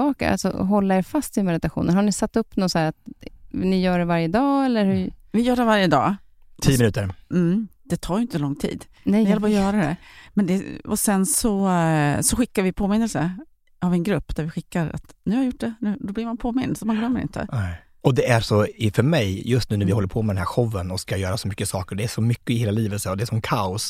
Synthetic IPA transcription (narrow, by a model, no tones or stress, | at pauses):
ɑːka̰a̰lsɔ̰ɦɔlːaɛɾfast̪ɪmɛd̪ɪt̪aɧṵːnənhaɳɪsat̪ːɵpːnɔsæːɾat̪nɪjœːɖɛvaɾjəd̪ɑːɛlːəɾhʉvɪjœːɖɛvaɾjəd̪ɑ̰ː | t̪ʰiːəmɪnʉ̟ːt̪əɾm̩d̪̥ɛt̪ʰɑːjʏɪnt̪əlɔŋːt̪ʰḭːd̪ | nɛjhɛləpɾɔjœːɾad̪ɛ̰mɛnd̪ɛɔsɛnsɔsɔɧɪkːaɾvɪpʰoːmɪnːəlsə | avɛnɡɾɵpːd̪æɾvɪɧɪkːaɾa̰t̪nʉ̟haɾjʊʈ̚ːɖɛnʉ̟ːd̪ɔblɪɾmanpʰoːmɪnd̪sɔmanɡlœmːəɾɪ̰nt̪ʰə̰ɛ | ɔd̪ɛæɾʂɔɪfœɾmɛjjɵst̪nʉ̟ːnæɾvɪhɔlːəɾpʰoːmɛdɛnɦæɾɧɔvːənɔskajœːɾasɔmʏkːəsɑːkəɖɛæʂɔmʏkːəɪheːlaliːvət̪sɛɔd̪ɛːʂɔmkʰaʊs